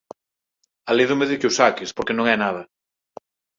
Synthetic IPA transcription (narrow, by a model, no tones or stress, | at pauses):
aleðʊmeðɪkusakɪspoɾkenõŋɛnaðɐ